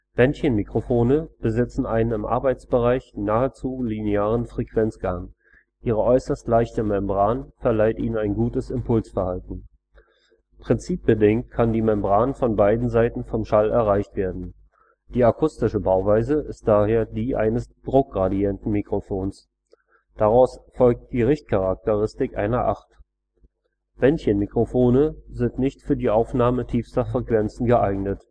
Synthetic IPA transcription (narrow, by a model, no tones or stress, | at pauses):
b̥ɛntçənmikʁ̥ofoːnəb̥əzɪt͡sn̩ʔaɪnənɪmʔa̰ɐbaɪt͡sb̥əʁaɪçnaːət͡suːlineaːʁ̞ənfʁ̥ekv̥ɛnt͡sɡ̥aŋ | ʔiːʁ̞əʔɔʏsɐstlaɪçtəmɛmbʁaːnfɛɐlaɪtʔḭːnənaɪnɡuːtəsɪmpʰʊlsfɛɐhaltn̩ | pʁ̥ɪnt͡siːp̚b̥ədɪŋt̚kʰandiːmɛmbʁaːnfɔnbaɪdn̩zaɪtn̩fɔmʃalʔɛɐʁaɪçtv̥eːɐdn̩ | d̥iːakʰʊstɪʃəbaʊvaɪzəʔɪst̚d̥aːheːɐdiːʔa̰ɪnəsd̥ʁʊk̚ʁadiɛntn̩mikʁ̥ofoːns | d̥aʁaʊsfɔlk̚t̚d̥iːʁɪçt̚kʰaʁak̚təʁɪstɪkʔa̰ɪnɐʔaχt | b̥ɛnçənmikʁ̥ofoːnəzɪntnɪçtfyːɐdiːʔaʊfnaːmətʰiːfstɐfʁ̥ɛkv̥ɛnt͡sn̩ɡəʔaɪɡnət